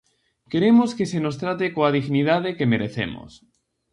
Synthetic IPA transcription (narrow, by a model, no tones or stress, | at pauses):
ke̞ɾe̞moskeseno̞st̪ɾat̪ekoaðiɣniðað̞ekemeɾeθḛmo̰s